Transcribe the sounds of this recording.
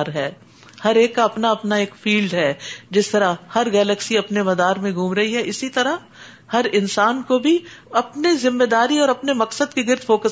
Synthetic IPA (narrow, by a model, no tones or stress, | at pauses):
ɾɦɛː | hɐɾeːkːaɐpnaɐpnaeːkfiːlɖɦɛːd͡ʒɪst̪ɐɾahɐɾɡɛːləksiɐpnemɐd̪aːɾmẽɡʱũːmɾɐɦiɦɛʔɪsit̪ɐɾa | hɐɾɪnsaːnkobʱiɐpnezɪ̃mːed̪aːɾiɔːɾɐpnemɐksəd̪keɡɪɾd̪foːkə